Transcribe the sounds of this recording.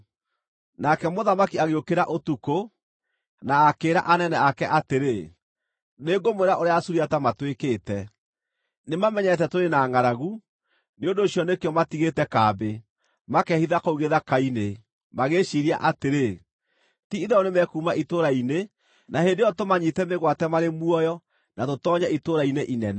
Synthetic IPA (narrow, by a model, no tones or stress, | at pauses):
nakɛmoðamakiaɣeokeɾaʔotuko | naːkeːɾa̰ʔanɛnɛakɛʔateɾe | neːŋɡomweɾaʔoɾeaːsuɾiatamatwekeːtɛ | nemamɛɲɛt̬ɛtoɾenaːŋaɾaɣu | neondoːɕiɔnekeɔmatiɣetɛkaːbe | makɛhiðakouɣeðakaine | maɣeʃiːɾia̰ʔateɾe | tiiðɛɔnemɛkuːmaʔitoɾaine | nahendejɔtomaɲitɛmeɣwatɛmaɾemuɔjɔ | natotɔːɲaitoɾaineʔinɛnɛ